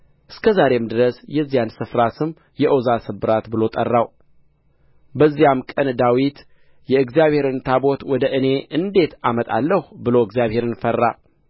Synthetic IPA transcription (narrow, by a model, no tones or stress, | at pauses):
ʔɨskʰəzaɾe̞md̪ɨɾəsjɛzːijansɨfɾasɨm | jɛʔozasɨbɨɾat̪bɨlo̞t̪ʼə̰rːaw | bəzːijamkʼənd̪awit̪ | jɛɨɡzijaβhe̞ɾɨnt̪ʰabo̞t̪wɔd̪əʔɨne̞ʔɨnd̪e̞t̪ʰamət̪ʼa̰lːəhbɨlo̞ɨɡzijaβhe̞ɾɨnfərːa̰